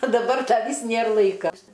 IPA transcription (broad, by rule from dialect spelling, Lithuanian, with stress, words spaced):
oː dɐˈbɐr ˈdɐ ˈʋʲiːs ˈnʲeːr ˈlˠɐɪkɐ